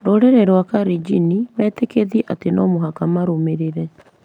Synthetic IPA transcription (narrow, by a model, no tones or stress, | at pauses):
ɾoɾɛɾɛɾowakaɾid͡ʒinimɛːtekeðiɛʔatenɔmoɦakamaɾomeɾeɾɛ